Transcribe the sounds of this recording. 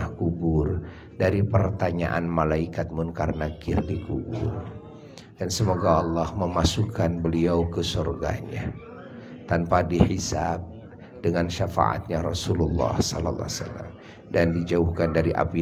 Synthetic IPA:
akubʊr | daɾipərt̪aɲa̰ʔanmalaikat̪̚mʊnkaɾənakɪrdikubʊ̰r | dansəmoɡaɑlːɔhməmasukanbəliawkəsorɡa̰ɲa̰ | t̪anpadiħisab̚ | dəŋanʃafa̰ʔa̰t̪̚ɲaɾɔsululːɑ̰hsɔlɔ̰lːa̰sa̰lːa̰m | dandid͡ʒauhkandaɾiʔa̰pi

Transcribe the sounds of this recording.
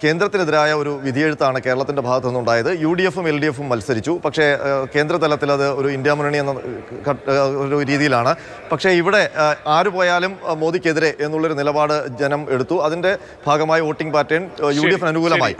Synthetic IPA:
ke̞ːnd̪ɾɐt̪ːineðiɾaːjɐo̞ɾuʋid̪ʱijeɻut̪ːaːɳɨke̞ːɾɐɭɐt̪ːinde̞bʱaːɡɐt̪ːenːuɳɖaːjɐðɨjuːɽijefume̞lɖijefumːɐlsɐɾit͡ɕːupɐkʂe̞ke̞ːnd̪ɾɐt̪ɐlɐt̪ːilɐðɨo̞ɾuindjamunɐɳienːɐkɐoɾuɾiːðijilaːɳɨ | pɐkʂe̞iʋiɽe̞aːɾupo̞ːjaːlummo̞ːðikʲːe̞ðiɾe̞ʔenːuɭːo̞ɾunilɐbaːɽɨd͡ʑenɐme̞ɽut̪ːuɐðinde̞ | bʱaːɡɐmaːjiʋo̞ːʈːiŋɡpaːtːeːɳjuːɖijefnɐnuɣuːlɐma̰ːjḭ

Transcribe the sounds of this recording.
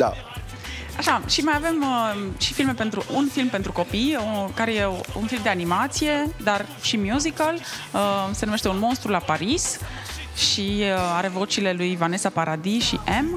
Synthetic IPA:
d̪a̰ | aʃaʃimajave̞məʃifilme̞pe̞nt̪ɾuʔunfilmpe̞nt̪ɾuko̞pijokaɾe̞je̞unfilmd̪e̞animat̪sije̞d̪ar | ʃimjuzikələse̞numeʃt̪e̞unmo̞nst̪ɾulapaɾis | ʃiaɾe̞vo̞t͡ʃiːle̞lujvane̞sapaɾʔad̪iʃiʔem

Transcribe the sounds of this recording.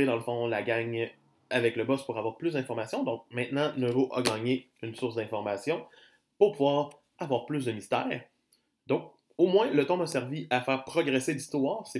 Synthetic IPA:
ed̪ɑ̃ləfɔ̃laɡaɲ | avɛkləbɔspuʁavwaːʁplysd̪ɛ̃fɔʁmasjɔ̃d̪ɔ̃k̚mɛ̃t̪nɑ̃nəvoʔa̰ɡɑːɲe | ynsʊʁsd̪ɛ̃fɔʁmasjɔ̃ | puʁpuvwaːʁ | avwaːʁplʏs̬d̪əmist̪ɛːʁ | d̪ɔ̃k | omwɛ̃lət̪ɔ̃məsɛʁviʔafɛːʁpχɔɡʁɛselist̪wɑːʁsɛ

